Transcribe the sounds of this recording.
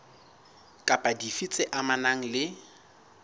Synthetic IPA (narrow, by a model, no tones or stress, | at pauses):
kʼapʼadifit͡sʼɪʔamanaŋ̩lɪ